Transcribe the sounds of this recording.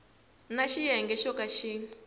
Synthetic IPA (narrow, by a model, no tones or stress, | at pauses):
naʃijɛŋɡɛʃɔkaʃiː